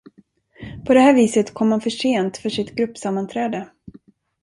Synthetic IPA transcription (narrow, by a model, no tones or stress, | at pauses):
pʰɔd̪ɛhæːɾviːsət̪kʰɔmːanfœʂeːnt̪fœʂɪt̪ɡɾɵpːsamːant̪ʰɾɛːd̪ə